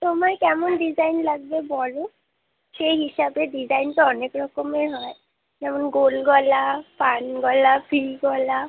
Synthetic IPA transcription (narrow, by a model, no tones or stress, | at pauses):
tɔmaɹkɛmɔndizajnlaɡ̚bɛbɔlʊ | xejɦisabɛdizajntɔɔnekɹɔkɔmeɦɔj | ɛmɔnɡolɡɔlapanɡɔlabʱiɡɔla